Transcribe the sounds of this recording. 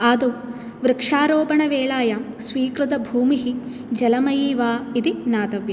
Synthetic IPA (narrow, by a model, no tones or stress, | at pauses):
aːd̪u | ʋɾɪkʂaːɾoːbɐɳɐʋeːɭaːja | sʋiːkɾut̪ɐbʱuːmiɦi | d͡ʒɐlɐmɐjiːʋaːid̪inaːt̪ɐʋjɐ